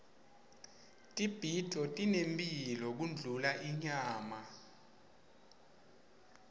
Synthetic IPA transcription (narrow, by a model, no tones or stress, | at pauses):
tʼib̥ʱitʰɔtʼinempʼilɔk̬und͡ɮʱulaʔiɲaːma